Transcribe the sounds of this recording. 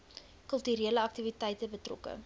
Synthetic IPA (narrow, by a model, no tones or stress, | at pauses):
kɵlˠtyɾiələɐk̚tivitɛjtəbətrɔ̰kə̰